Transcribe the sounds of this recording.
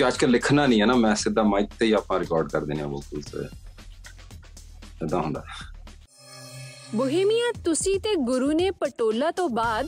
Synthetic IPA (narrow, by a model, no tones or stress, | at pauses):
kəd͡ʒkəlːɪkʰnaːnĩːɦɛːnaːmɛ̃ːsɪd̪aːmãːɪt̪ːeiːaːpnãːɾɪkɔːɾɖkəɾd̪eːneã̰ːbəlkulsḛ | ed̪ãːɦʊ̃nd̪a̰ː | bʊɦeːmijãːt̪ʊsĩːt̪eːɡʊɾuːneːpəʈoːlaːt̪õːbaːd̪